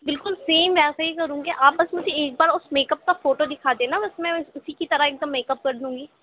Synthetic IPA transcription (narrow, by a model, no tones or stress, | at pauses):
bɪlkʊlseːmʋɛːsaikəɾũːɡeʔaːpəsmʊd͡ʒʱeeːk̚baːɾʊsmeːkəp̚kafʰoːʈoːd̪ɪkʰaːd̪ẽːnabəsmɛ̃ːʊsiːkit̪əɾaeːk̚d̪əmːeːkəp̚kəɾd̪ũːɡiː